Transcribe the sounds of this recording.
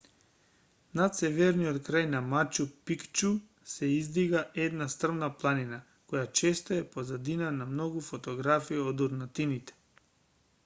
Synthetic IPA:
nat̪sɛvɛɾnijot̪kɾajnamat͡ʃupikt͡ʃu | sɛizd̪iɡaʔɛd̪nast̪r̩vnaplˠanina | kɔjat͡ʃɛst̪oɛpozad̪inanamnɔɡufɔt̪ɔɡɾafiiod̪uɾnat̪init̪ɛ̥

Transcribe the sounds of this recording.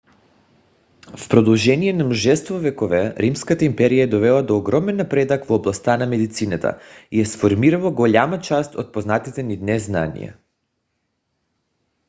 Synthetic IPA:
fpɾod̪ɔlˠʒɛniɛnamuʒɛst̪vovɛkɔvɛɾimskat̪aimpɛɾijad̪ɔvɛlˠad̪ɔːɡɾɔmɛnːapɾɛd̪akvoːblˠast̪anamɛd̪it̪sinat̪ʰa̰ijasfoɾmiɾalˠaɡoʎamat͡ʃast̪ot̪̚poznat̪it̪ɛnid̪nɛzna̰nḭja̰

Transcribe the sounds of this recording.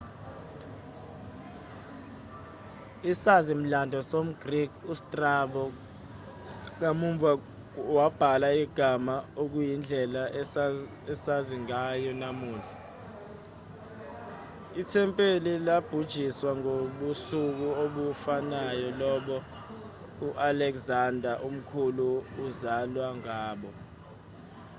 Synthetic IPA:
isazim̩landʱɔsom̩ɡ̥rikustʼraɓɔ | ŋ̬amuɱvʱa | wab̥ʱalaiɡ̥ʱamaok̬ujind͡ɮʱɛla | ɛsaziŋajɔnamuːɮa | itʰɛmpʼelilab̥ʱud̥ʒ̥ʱiswaŋoɓusuk̬uoɓufanajɔlɔɓɔ | uʔalɛkzandʱaʔum̩kʰuluːzalwaŋaːɓɔ

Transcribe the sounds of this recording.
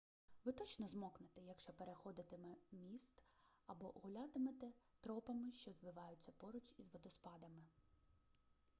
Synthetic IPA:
ʋɪt̪ɔt͡ʃnɔzmɔknɪt̪ɛjɐkʃt͡ʃɔpeɾexɔd̪ɪt̪emɛmʲist̪ | ɐbɔɣʊlʲat̪ɪmet̪ɛt̪ɾɔpɐmɪʃt͡ʃɔzʋɪʋɑjʊt͡sʲːɐpɔɾʊt͡ʃizʋɔd̪ɔspɑd̪ɐmɪ

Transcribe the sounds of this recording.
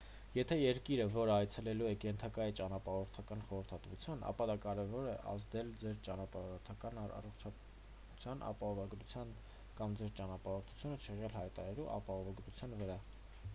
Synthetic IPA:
jɛt̪ʰɛjɛɾkiɾəvɔɾəɑjt͡sʰɛlɛluɛkɛnt̪ʰɑkɑjit͡ʃɑnɑpɑɔɾt̪ʰɑkɑnχɔɾəɾt̪ʰɑt̪vut͡sʰjɑnʔɑ̰pɑd̪ɑkɑɾɛvɔɾɛʔɑ̰zd̪ɛld͡zɛɾt͡ʃɑnɑpɑɔɾt̪ʰɑkɑnɑ̰rɔχt͡ʃʰɑ | t͡sʰjɑnɑ̰pɑhɔvɑɡɾut͡sʰjɑn | kɑmd͡zɛɾt͡ʃɑnɑpɑɔɾt̪ʰu̥t͡sʰjunət͡ʃʰɛʁɛlhɑjt̪ɑ̰ɾɑluʔɑ̰pɑɦɔvɑɡɾut͡sʰjɑnvəɾɑ

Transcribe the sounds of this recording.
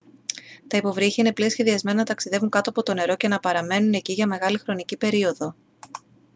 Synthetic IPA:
t̪ɐipo̞vɾiçiine̞pliosçe̞ðiɐzme̞nɐnɐt̪ɐksiðevuŋkɐt̪uɐpot̪o̞ne̞ɾo̞ce̞nɐpɐɾɐme̞nune̞ciʝɐme̞ɣɐlixɾo̞nicipe̞ɾio̞ðo̞

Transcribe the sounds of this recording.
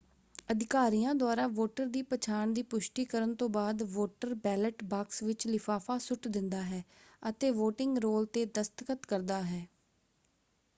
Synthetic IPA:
əd̪ɪkaːɾijãːd̪ʊaːɾaːʋoːʈəɾd̪iːpət͡ʃʰaːɳd̪iːpʊʃʈiːkəɾənt̪õːbaːd̪ʋoːʈəɾbɛːləʈbaːksʋɪt͡ʃlɪpʰaːfʰaːsʊʈd̪ɪ̃nd̪aːɦɛːət̪eːʋoːʈɪŋɡɾoːlt̪eːd̪əst̪əkət̪kəɾd̪aːɦɛː

